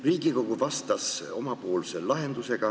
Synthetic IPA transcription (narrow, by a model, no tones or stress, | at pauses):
riːɡ̥iko̞ɡuvɑst̪ɑso̞mɑpo̞ːlselɑɦe̞nd̪̥use̞ɡ̥ɑ